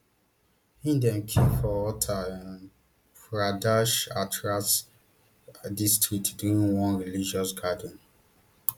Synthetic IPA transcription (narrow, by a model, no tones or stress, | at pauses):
hĩndɛ̃nkʰẽmfɔwɔtʰaãn | fɹadaʃatʰɹat | distɹik̚tduɾĩnwɔ̃nɹilid͡ʒɔsɡadn̩